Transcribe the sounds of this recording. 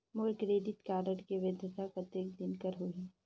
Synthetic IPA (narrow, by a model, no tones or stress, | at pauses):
moːɾkɾeːɖɪʈkaːɾəɽkeʋed̪ʱjət̪ʰapɾət̪jek̚d̪ɪnkəɾɦoi